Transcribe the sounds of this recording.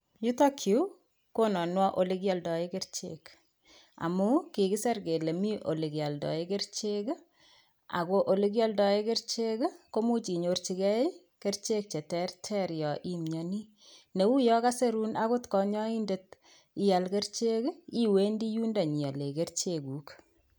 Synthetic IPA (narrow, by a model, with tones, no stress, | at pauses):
ju˦ta˦kʰi˨˦ | ko˦nɔ˨nwa˦ʔo˨li˦kjɔ˨ldɔ˨e˦ke˦ɾt͡ʃḛk | a̰˨mu˦ki˨ki˦sa˦ɾke˨le˨mi˦ʔo˨li˨kja˨ldɔ̰˨e˦ke˦rt͡ʃe˦k | a̰˨ko˨ʔo˨li˦k̬jɔ˦ldɔ˨e˦ke˦rt͡ʃe˦kko˦mu˦t͡ʃi˨ɲo˨rt͡ʃi˦kɛ˦i˦ | ke˦rt͡ʃe˦k̚t͡ʃe˨tɛ˦rtʰɛ˦ɾjɔ˨ʔi˦mɲɔ˨ni˦ | ne˨u˦jɔ˦ka˦se˦ɾu˦na˦ko˦tkɔ˦ɲɔ˦i˦nde˨t̚ | i˦ja˨lke˦rt͡ʃe˦ki˦we˦ndi˦ju˦nda˨ɲi˨a˨le˨ke˦rt͡ʃe˦ku˨k